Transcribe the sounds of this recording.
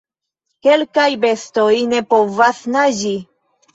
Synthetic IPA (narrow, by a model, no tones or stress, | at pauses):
ke̞lkajbe̞sto̞jne̞po̞vasnad͡ʒi